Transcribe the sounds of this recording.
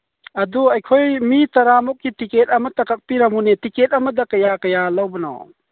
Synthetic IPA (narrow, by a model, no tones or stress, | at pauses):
ɐd̪uɐjkʰɔjmit̪ɐɾamɔk̚ːitiket̚ɐmət̪ɐkak̚piɾamunetikɛt̚aməd̪ɐkɐjakɐjalawbənɔ̰